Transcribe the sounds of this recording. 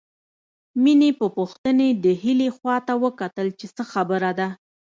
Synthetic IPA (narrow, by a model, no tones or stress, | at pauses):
minepəpʊxt̪əned̪əhilexwɑt̪awəkat̪əlt͡ʃesəxabəɾad̪a